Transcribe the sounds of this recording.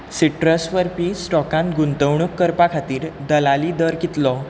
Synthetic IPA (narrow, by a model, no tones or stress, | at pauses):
siʈɾəsʋəɾpisʈɔkãnɡunt̪əwɳukːəɾpakʰat̪iːɾd̪əlaliːd̪əɾkit̪lɔ